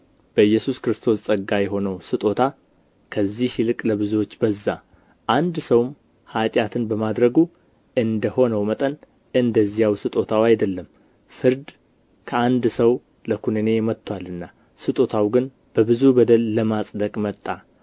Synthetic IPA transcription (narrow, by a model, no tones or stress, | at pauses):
b̥əɨjːɛsuskɾɨst̪ʰo̞st͡sʼəɡːajɛɦo̞nəwsɨt̪ʼo̞t̪ʰa | kʰəzːihilɨkʼləβɨzuwo̞t͡ʃːbəzːa | ʔand̪səwm | hat̪ʼjat̪ʰɨnbəmad̪ɾəɡu | ʔɨnd̪əho̞nəwmət̪ʼən | ɨnd̪əzːijawsɨt̪ʼo̞t̪ʰawajd̪əlːəm | fɨɾd̪ | kʰəand̪səw | ləkʰunɨne̞mət̪ʰʼːwalɨnːa | sɨt̪ʼo̞t̪ʰawɡɨn | b̥əbɨzubəd̪əlːəmasʼd̪əkʼmət̪ʼːa